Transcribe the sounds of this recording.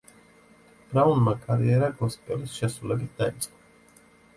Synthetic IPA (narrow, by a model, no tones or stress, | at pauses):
b̥ɾaunmakʼaɾḭɛɾaɡɔspʼɛlisʃɛsɾulɛbit̪̚ʰd̪̥ait̪sʼqʼɔ